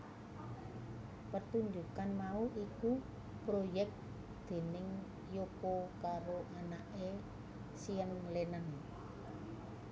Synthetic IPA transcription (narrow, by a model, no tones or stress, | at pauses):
pət̪uɲd͡ʒukanmauʔiku | pɾojɛk̚t | d̪̥e̤nɪŋ | jokokaɾoʔanaʔe | siənlenən